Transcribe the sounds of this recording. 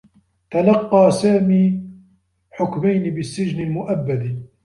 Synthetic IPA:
t̪alɑqːɑːsaːmiː | ħʊkmajnɪbɪsːɪd͡ʒnɪlmʊʔabːad̪

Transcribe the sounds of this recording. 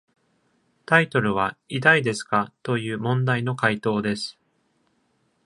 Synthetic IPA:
t̪ait̪o̞ɾɯ̟β̞aid̪aid̪e̞sɨ̥kat̪o̞jɯ̟ːmõ̞nd̪aino̞kait̪o̞ːd̪e̞sɨ̥

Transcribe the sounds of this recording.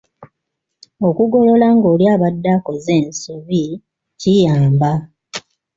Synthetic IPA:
o̞kuɡo̞lo̞laŋɡoːljaːβadːako̞ze̞ːnsuβi | cijaːmba

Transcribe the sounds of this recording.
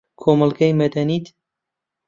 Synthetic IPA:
kʰomɑlˠɡɐjmɐd̪ɐniːt̪

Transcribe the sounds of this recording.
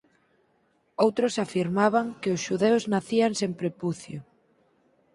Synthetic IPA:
owt̪ɾʊsafiɾmaβaŋkeʊsʃuðeʊznaθiaŋsẽmpɾepuθjo

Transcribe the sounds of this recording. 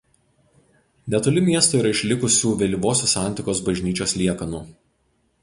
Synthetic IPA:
nʲɛt̪ʊlʲɪmʲiɛst̪oːiːɾɐɪʃʲlʲɪkʊsʲuːʋʲɛlʲiʋoːsʲoːsɑˑnʲt̪ʲɪkoːsbɐʒʲnʲiːt͡ʃʲoːslʲiɛkɐnuː

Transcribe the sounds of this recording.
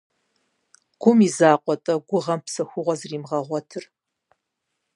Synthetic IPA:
ɡ̥ʷʊmizaːqʷʼɔtʼɐɡʷʊʁɐmpsɐxʷʊʁʷɔzriːmʁɐʁʷɔtʰɨr

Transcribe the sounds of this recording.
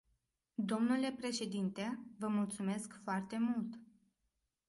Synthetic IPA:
d̪o̞mnule̞pɾe̞ʃe̞d̪int̪e̞vəmult̪sume̞skfoart̪e̞mult̪

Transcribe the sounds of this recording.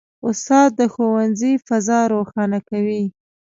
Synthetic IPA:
ʊst̪ɑd̪̚d̪əxowanzifazɑɾoxɑnakawi

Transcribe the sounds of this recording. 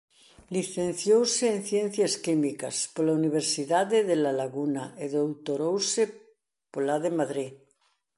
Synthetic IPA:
liθẽn̟θjowseːn̟θjẽnθjaskimika̰spolauniβeɾsiðaðeðelalaɣunaeðowt̪oɾowse | polaðemaðɾi

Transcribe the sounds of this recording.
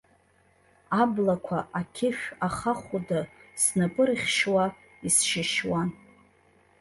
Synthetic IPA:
ablakʷʰaʔakʲʰɪʃʲᶣaχaχʷudasnapʼɨrχʲʃwa | isʃɪʃwan

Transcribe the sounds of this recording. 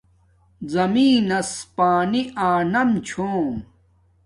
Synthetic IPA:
zɐmĩːnɐspaːniaːnɐmt͡ɕʰõː

